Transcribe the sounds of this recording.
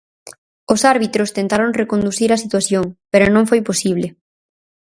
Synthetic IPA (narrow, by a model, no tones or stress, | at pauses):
osaɾβit̪ɾost̪ent̪aɾoŋrekond̪uθiɾasit̪waθjoŋpeɾonõŋfojposiβlɪ